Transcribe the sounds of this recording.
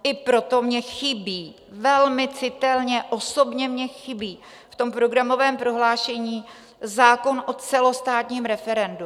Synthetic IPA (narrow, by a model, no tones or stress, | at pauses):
ʔɪpɾo̞t̪o̞mɲɛxɪbiː | vɛlmɪt͡sɪt̪ɛlɲɛʔoso̞bɲɛmɲɛxɪbiː | ft̪o̞mpɾo̞ɡɾamo̞vɛːmpɾo̞ɦlaːʃɛɲiː | zaːko̞nʔot͡sɛlo̞st̪aːt̪ɲiːmɾɛfɛɾɛndu